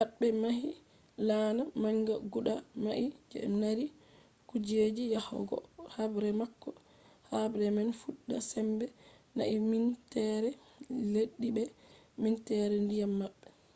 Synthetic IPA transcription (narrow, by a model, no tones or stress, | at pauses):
maɓːɛmaɦi | laːnamaŋɡaɡuɗamaʔid͡ʒɛ̰naɾi | kud͡ʒed͡ʒijahɔ̰ɡɔ̰habɾɛmakːɔ | habɾɛmɛnfuɗːa̰sɛmbɛ | na̰ʔimintɛɾɛ | leɗːibɛ | mintɛɾɛndijamːaɓːɛ